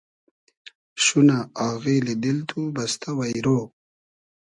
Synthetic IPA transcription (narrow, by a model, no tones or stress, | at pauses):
ʃunaaɣiled̪ilt̪ʰubast̪ʰawajɾoː